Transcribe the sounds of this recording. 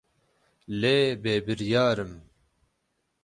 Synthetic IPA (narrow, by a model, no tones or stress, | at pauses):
leːbeːbɨɾjaːɾɨm